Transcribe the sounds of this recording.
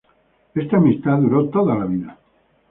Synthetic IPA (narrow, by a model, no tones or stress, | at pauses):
est̪aːmist̪aðuɾot̪oðalaβiða